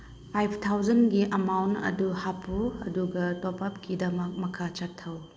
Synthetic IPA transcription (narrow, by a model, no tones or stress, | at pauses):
pʰajpʰtʰawzɐnɡiʔɐmawntɐ̰duhapuɐduɡɐtɔpap̚kidɐmɐk̚mɐkʰat͡ʃatʰːɐw